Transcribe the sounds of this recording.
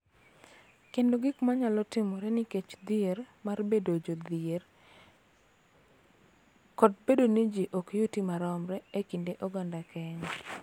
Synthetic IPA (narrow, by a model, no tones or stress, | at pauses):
kendoɡɪkmaɲalɔtɪmɔɾɛnɪket͡ʃd̪ɪermarbedod͡ʒod̪ɪer | kɔd̚bedonid͡ʒiʔokejutimaɾɔmɾɛekindeʔɔɡandakʰɛɲa